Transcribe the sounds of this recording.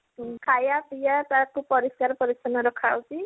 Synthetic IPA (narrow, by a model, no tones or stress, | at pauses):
kʰajapijat̪akupɔɾisaɾpɔɾisɔnɔɾɔkʰawt͡ʃi